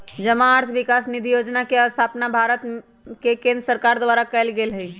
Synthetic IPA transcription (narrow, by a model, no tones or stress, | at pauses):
d͡ʒəmaːɾt̪ʰʋikasnid̪ʱijod͡ʒnakeəst̪ʰapnabʱaɾət̪ | kekẽnd̪ɾəsəɾkaɾd̪ʋaɾakɛjlɡelɦə